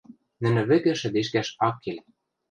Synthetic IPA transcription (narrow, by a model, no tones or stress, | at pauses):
nɘ̆nɘ̆βɘ̆ɣɘ̆ʃɘ̆d̪eʃ̬kæʃɑkʰːel